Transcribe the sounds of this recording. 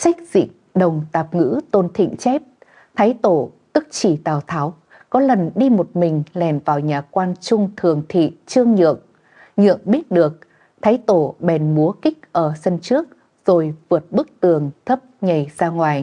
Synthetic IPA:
sa˦˥k̟̚z̥ḭ˧˨ | ɗə˨˩wŋ͡mt̪aː˨˩p̚ŋɨ̰˧˥t̪o˧nt̪ʰḭ˧˨ŋ̟t͡ɕɛ˦˥p̚ | t̪ʰaː˨˦jt̪o˧˩t̪ɨ˦˥k̚t͡ɕi˧˩t̪aː˨˩wt̪ʰaː˨˦w | kɔ˨˦lə˨˩nɗi˧mo˨˩t̚mï˨˩ŋ̟lɛ˨˩nvaː˨˩wɲaː˨˩kwaː˧nt͡ɕʊ˧ŋ͡mt̪ʰɨ˨˩əŋt̪ʰḭ˧˨t͡ɕɨ˧əŋɲɨ̰˧˨əŋ | ɲɨ̰˧˨əŋɓi˦˥ət̚ɗɨ˨˩ək̚ | t̪ʰaː˨˦jt̪o˧˩ɓɛ˨˩nmu˨˦əkï˦˥k̟̚ʔəː˧˩sə˧nt͡ɕɨ˦˥ək̚ | z̥o˨˩jvɨ˨˩ət̚ɓɨ˦˥k̚t̪ɨ˨˩əŋt̪ʰə˦˥p̚ɲə˨˩jzaː˧ŋwaː˨˩j

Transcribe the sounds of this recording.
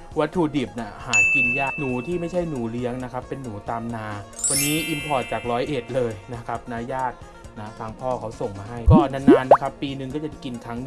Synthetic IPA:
wa˦˥t̪ʰːu˨˩diː˨˩p̚ni˧˥˩haː˩˦ki˧njaː˥˩nuː˩˦t̪ʰiː˥˩ma˥˩jt͡ɕʰa˥˩jnuː˩˦li˦˥əŋna˦˥kʰa˦˥pːe˧nːuː˩˦t̪aː˧mnaː˧wa˧nːiː˦˥ʔi˧mpʰɔː˨˩t̪̚t͡ɕaː˨˩k̚ɾɔː˦˥jʔeː˨˩t̪̚lɤː˧jna˦˥kʰa˦˥p̚naː˧˥jaː˥˩t̪̚ | naː˦˥fʰaː˨˩˦ŋpʰɔː˥˩kʰa˦˥wso˨˩ŋmaː˧ɦa˥˩jkɔː˩˥na˧naː˧˦˥nːa˦˥kʰa˦˥pːiː˧nɯ˨˧ŋkɔː˥˩t͡ɕa˨˩ki˧nkʰɾa˦˥ŋnɯ˨

